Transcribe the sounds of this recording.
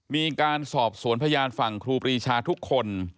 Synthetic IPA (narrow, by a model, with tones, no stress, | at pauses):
miː˧kaː˧nsɔː˨˩p̚su˩˦ənpʰa˧jaː˧nfa˨˩ŋkʰɾuː˧pɾiː˧t͡ɕʰaː˧t̪ʰu˦˥kʰːo˧n